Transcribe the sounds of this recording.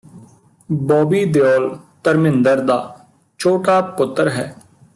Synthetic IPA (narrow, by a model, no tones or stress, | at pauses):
bɔːbiːd̪ejɔːlt̪əɾmɪnd̪əɾd̪aː | t͡ʃʰoːʈaːpʊt̪ːəɾɦɛ̰ː